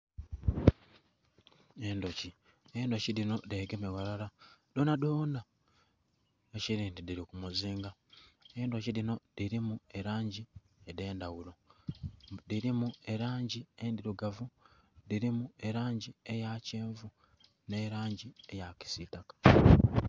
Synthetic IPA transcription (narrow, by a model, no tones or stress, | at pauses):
e̞ːndo̞ci | eːndo̞ciɾino̞deɡemeɣaɾaɾado̞ːnadoːna | eciɾiːndidiɾikumuziːŋɡaendociɾino̞diɾimueɾaːɲɟi | ede̞ːndawulo̞ | diɾimue̞ɾaːɲɟiendiɾuɡavudiɾimue̞ɾaːɲɟie̞jaceːɱvu | ne̞ɾaːɲɟiejaci̥sitakḁ